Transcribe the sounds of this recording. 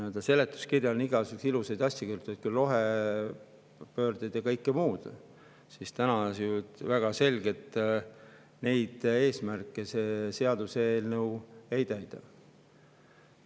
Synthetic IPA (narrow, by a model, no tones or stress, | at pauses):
øld̪ɑse̞le̞t̪ˑːu̥skirjɑniɡ̥ɑsyksilusejd̪ɑsʲjɑkyrt̪ˑujt̪̚kulo̞ɦe | pø̞ːrd̪id̪ekɤjkːˑemuːd̪̥ | sist̪ænɑsjut̪væɡ̥ɑse̞lʲɡ̥e̞t̪ː | ne̞jd̪̥e̞ːsmærkːˑese̞se̞ɑd̪̥useːlnewe̞jt̪æjd̪̥ɑ